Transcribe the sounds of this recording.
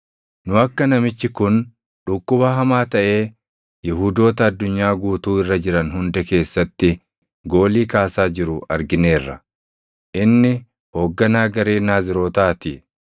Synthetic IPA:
nʊɐkːɐnɐmɪt͡ʃːɪkʊn | ᶑʊkːʊbɐɦɐmaːt̪ɐʔe̞ː | jɪɦuːd̪o̞ːt̪ɐːd̪ːʊɲːaːɡuːt̪uːɪrːɐd͡ʒɪɾɐnɦʊnd̪ɛke̞ːsːɐt̪ːɪ | ɡo̞ːliːkaːsaːd͡ʒɪɾʊɐɾɡɪne̞ːrːɐ̰ | ʔɪnːɪ | ho̞ːɡːɐnaːɡɐɾeːnaːzɪɾo̞ːt̪aːt̪ɪ

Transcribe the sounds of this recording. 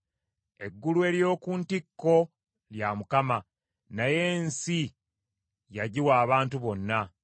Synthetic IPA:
e̞ɡːulue̞ːljo̞ːkuːntikːo̞ | ljamukama | naje̞ːnsi | jaɟiwaːβaːntuβo̞nːa

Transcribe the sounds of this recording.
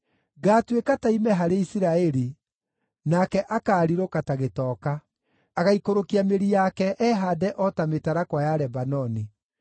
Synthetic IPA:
ɣaːtwekataimɛɦaɾeisiɾaɛɾi | nakɛʔakaːɾiɾokataɣetɔːkaː | ɣaikoɾokiameɾijakɛʔɛɦadɛʔɔtametaɾakwajaɾɛbanɔni

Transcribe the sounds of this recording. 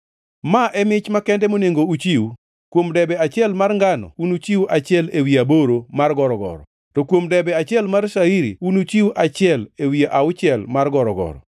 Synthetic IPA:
maʔɛmɪt͡ʃmakɛndɛmoneŋɡout͡ʃiwu | kwomdɛbɛat͡ʃɪɛlmarŋɡanɔ̰unut͡ʃiwuʔat͡ʃɪɛlewiaboɾomarɡɔɾɔɡɔ̰ɾɔ̰ | tɔkwomdɛbɛat͡ʃɪɛlmarʃaiɾḭunut͡ʃiwuʔat͡ʃɪɛlewiaʔaʊt͡ʃɪɛlmarɡɔɾɔɡɔ̰ɾɔ̰

